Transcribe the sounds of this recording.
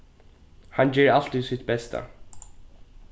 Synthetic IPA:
hɑnjeːɾalt̪iːd̪sɪt̪̚bɛst̪ʰə̰

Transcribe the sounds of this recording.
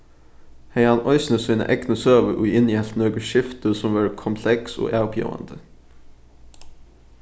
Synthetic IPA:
heɪɑnʔɔʏsnəsiːnə̰ʔɛknəsøːʋəʔʉːɪnjɛlt̪noːɡəʃɪft̪əsɔmʋɑːɹkʰʊmpʰlɛkso̰ːʔæːʊpʰjḛːʋə̰nd̪̥ə

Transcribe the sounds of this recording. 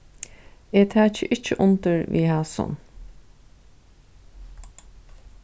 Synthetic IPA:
eːt̪ʰæːt͡ʃəʔɪt͡ʃːəʔʊnt̪əɹʋḭːhæːsɔ̰n

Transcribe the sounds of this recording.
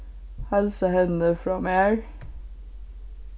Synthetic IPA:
hælsəhɛnəfɹɑːmæːɹ

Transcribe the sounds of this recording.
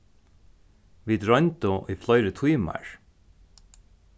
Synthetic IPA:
ʋiːd̪ɹœnt̪oʔiːflœʏɾət̪ʰwiːmæ̰ɹ

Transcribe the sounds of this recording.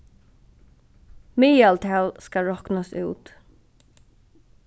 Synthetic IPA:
miːalt̪ʰɛːlskaɹɔknasṵːt̪

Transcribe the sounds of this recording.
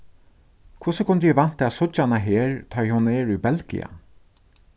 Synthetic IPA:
kʰʊsəkʰʊnd̪əjɛʋan̥t̪aːsʊt͡ʃanaɦeːɹt̪ʰɔjhʊnɛːɹubɛlkḭa̰

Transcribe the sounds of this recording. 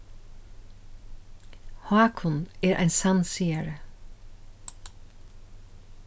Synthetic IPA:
hɑːkʰʊnɛːɹʔæ̰ɪnsɑnsiːaɹə

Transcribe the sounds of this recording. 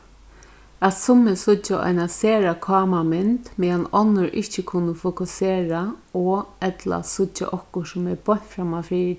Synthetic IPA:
at̪sʊmɪsʊt͡ʃːaʔɔ̰jnaseːɾakʰɑːmamɪnt̪mɛanɔnːʊɾʔɪht͡ʃɪkʰʊnəfʊkʊseːɾaɔɛt̪la̰sʊt͡ʃːa̰ʔɔhkʊsʊmɛɹbɔɲ̥t̪fɾamafɾiː

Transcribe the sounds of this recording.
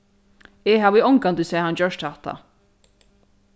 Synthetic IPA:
ɪɦaːvɪɔŋkant̪ɪsɛːhand͡ʒœʂt̪haht̪ʰa̰

